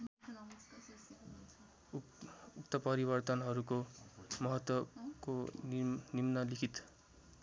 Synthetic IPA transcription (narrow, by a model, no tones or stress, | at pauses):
ukt̪ʌpʌɾibʌrt̪ʌnɦʌɾukomʌɦʌt̪wʌko | nimnʌlikʰit̪